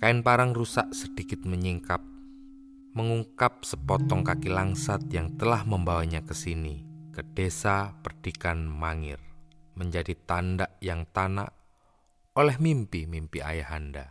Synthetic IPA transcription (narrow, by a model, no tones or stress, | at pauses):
kaɪnpaɾaŋrusaʔsəd̥ikɪt̪̚məɲiŋkap̚ | məŋuŋkap̚səpɔt̪ɔŋkakilaŋsat̪̚jaŋt̪əlahməmbawaɲakəsinikəd̥esapərd̥ikanmaŋɪ̰rməɲd͡ʒadit̪andaʔjaŋt̪ana̰ʔ | olɛhmimpimimpia̰jaɦanda̰